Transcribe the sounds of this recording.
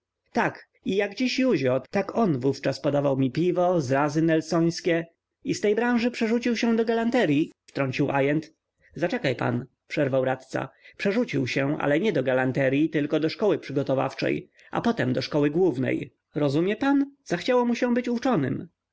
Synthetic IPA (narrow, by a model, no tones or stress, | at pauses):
t̪ak | ijaɡd͡ʑiɕjuʑɔt̪akɔnvuft͡ʂaspɔd̪avawmʲipʲivɔzɾazɘnɛlsɔj̃skʲɛ | ist̪ɛjbɾãw̃ʐɘpʂɛʐut͡ɕiwɕɛ̃d̪ɔɡalant̪ɛɾʲjift̪ɾɔɲt͡ɕiwʔajɛnt̪ | zat͡ʂɛkajpa̰n | pʂɛɾvawɾat̪t̪sa̰pʂɛʐut͡ɕiwɕɛ̃ʔa̰lɛɲɛd̪ɔɡalant̪ɛɾʲjit̪ɘlkɔd̪ɔʂkɔwɘpʂɘɡɔt̪ɔva̰ft͡ʂɛ̰j | ʔa̰pɔt̪ɛmd̪ɔʂkɔwɘɡwuvnɛ̰j | ɾɔzumʲjɛpanz̥axt͡ɕawɔmuɕɛ̃bɘt͡ɕut͡ʂɔnɘ̰m